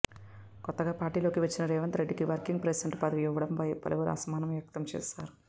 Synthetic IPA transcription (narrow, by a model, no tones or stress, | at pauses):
kɔt̪ːɐɡaːpaːɾʈiːlo̞ːkiʋɐt͡ʃːinɐɾɛːʋɐnt̪ɾe̞ɖːikiʋɐɾkiŋɡ̚pɾesɐɳʈpɐd̪ɐʋiiʋːɐɽɐmpɐjpɐ̰lɐʋɐɾɐ̰sɐmaːnɐmʋjɐk̚t̪ɐmt͡ʃɛ̰ːsaːɾu